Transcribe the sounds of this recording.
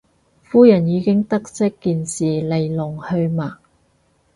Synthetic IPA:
fuː˥jɐ˨˩njiː˨˧kɪ˥ŋt̪ɐ˥k̚sɪ˥kːiː˨˧nsiː˨le˨jlʊ˨˩ŋhɵ˧ɥmaː˨˩

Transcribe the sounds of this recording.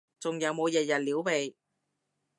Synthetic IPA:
t͡sʊ˨ŋjɐ˨˧wmo˨˧wjɐ˨t̚jɐ˨t̚liː˨˥wpe˨j

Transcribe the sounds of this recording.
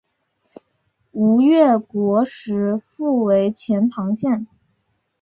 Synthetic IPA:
u˧˥ɥɛ˥˩kwɔ˧˥ʂɻ̩˧˥fu˥˩we˧˥ɪt͡ɕʰjɛ˧˥nt̪ʰɑ˧˥ŋɕjɛ˥˩n

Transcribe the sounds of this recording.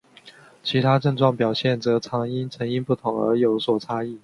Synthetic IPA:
t͡ɕʰi˧˥t̪ʰa˥ʈ͡ʂə˥˧ʈ͡ʂwɑ˥˩ŋpjɑ˨˩ʊɕjɛ˥˩nt͡sɤ˧˥t͡sʰɑ˧˥ŋi˥nt͡sʰə˧˥ŋi˥npu˥˩t̪ʰʊ˧˥ŋə̰˞˧˥jo˧˥ʊswɔ˨˩t͡sʰa˥i˥˩

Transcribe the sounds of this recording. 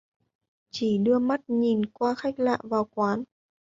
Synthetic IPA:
t͡ɕi˧˩ɗɨ˧əma˦˥t̚ɲi˨˩nkwaː˧xa˦˥jk̟̚la̰ː˧˨vaː˨˩wkwaː˨˦n

